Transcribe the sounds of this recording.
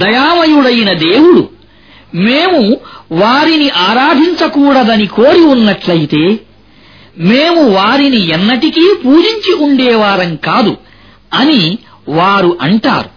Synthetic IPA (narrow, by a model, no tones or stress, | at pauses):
d̪ɐjaːmɐjuɽɐjinɐd̪eːwuɽṵ | meːmuʋaːɾiniʔaːɾaːd̪ʱiɲt͡ʃɐkuːɽɐd̪ɐnikoːɾiunːɐʈlɐjit̪e̞ː | meːmuʋaːɾiniɛnːɐʈikiːpuːd͡ʒiɲt͡ʃiuɳɖɛːʋaːɾɐŋkaːd̪ṵ | ɐni | ʋaːɾuʔɐɳʈa̰ːɾu